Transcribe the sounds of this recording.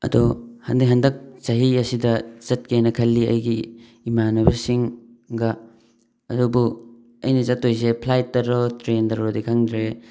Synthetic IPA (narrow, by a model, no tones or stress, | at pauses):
ɐ̰dohɐndɐkɦɐndɐk̚zɐɦiɐsidɐz̥ɐt̚kenɐkʰɐlːiɐ̰jɡiː | manɐbɐsiŋ | ɡɐ | ɐdubu | ɐ̰jnɐzɐtːojzepʰlajt̚ːɐɾotɾendɐɾodikʰaŋdɾe